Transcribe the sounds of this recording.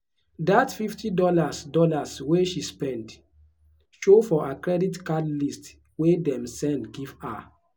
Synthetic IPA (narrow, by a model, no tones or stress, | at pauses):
datfiftidɔlasdɔlasweʃispɛ̃nd | ʃofɔʔakɹɛditkadlist | wedɛ̃msɛ̃ndɡiva̰